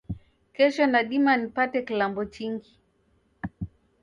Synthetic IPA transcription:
kɛʃɔnaɗimanipatɛkilambɔt͡ʃiŋɡi

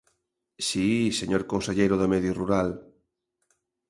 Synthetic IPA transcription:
siseɲoɾkõnseʎejɾʊðamɛðjoruɾal

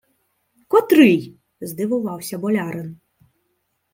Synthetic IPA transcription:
kɔt̪ɾɨj | zd̪ɨvuvawsʲɐbɔlʲaɾɨn

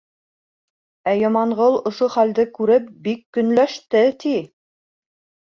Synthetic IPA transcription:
æjɑmɑɴʁɤlˠŏʃoχæld̪ɘkʉɾɘp̚bikːɵ̆nlæʃt̪ɘt̪i

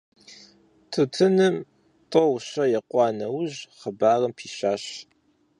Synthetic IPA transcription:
tʰɨtʰɨnɨm | tʼɔwɕɐjɛqʷʼɑːnɐwʑχəbaːrɐmpʰiːɕaːɕ

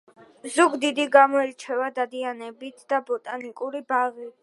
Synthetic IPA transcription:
zuɡd̪id̪iɡamɔɛɾt͡ʃʰɛvad̪ad̪ianɛbit̪ʰd̪̥abɔt̪ʼanikʼuɾibaʁi

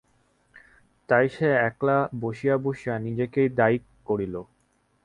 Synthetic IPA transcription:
t̪ajʃeɛklaboʃijaboʃijanid͡ʑekejd̪aikkːoɽilo

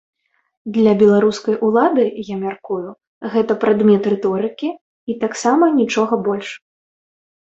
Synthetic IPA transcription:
d̪lʲɐbʲɛlˠaɾuskɐjʔulˠad̪ɨjamʲarkuju | ɣɛt̪ɐpɾad̪mʲɛt̪rɛt̪ɔɾɨkʲi | it̪aksamɐnʲit͡ʂɔɣɐbɔlʲʂ

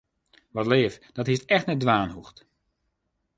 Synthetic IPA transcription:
ʋɔtleːfd̥ɔthistɛxtnɛt̚dʋaːnhuxt

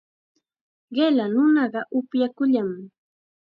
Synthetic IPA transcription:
ɢelanʊnɑɢɑʔʊpjakʊʎam

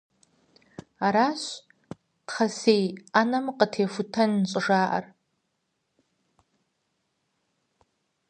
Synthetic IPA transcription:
aɾaːɕ | tχɐsejanɐmqətʰeːfʊtʰɐnːɕʼɪʐaːʔɐ̰r

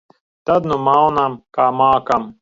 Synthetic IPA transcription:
t̪ɐd̪numaːwnamkaːmaːkɐm

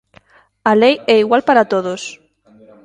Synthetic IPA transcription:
alejɛiɣwalpaɾat̪oð̞os

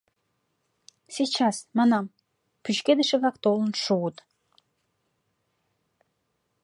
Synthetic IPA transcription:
sit͡ɕɑsmɑnɑm | pyt͡ɕked̪ə̆ʃĕβlɑkt̪olənʃuət̪

